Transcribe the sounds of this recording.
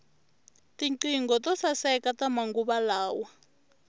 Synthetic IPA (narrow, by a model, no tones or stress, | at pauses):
tiǀiŋɡɔtɔsasɛkatamaŋɡuɓalaːwa